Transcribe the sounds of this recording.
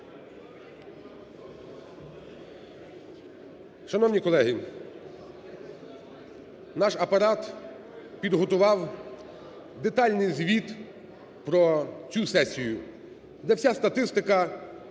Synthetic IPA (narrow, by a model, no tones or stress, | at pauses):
ʃɐnɔwnʲikɔlˠɛɦi | nɑʃɐpɐɾɑt̪ | pʲid̪ɦɔt̪ʊʋɑw | d̪et̪ɑlʲnɪjzʲʋʲit̪ | pɾɔt͡sʲusɛsʲijʊ | d̪ɛwsʲast̪ɐt̪ɪst̪ɪkɐ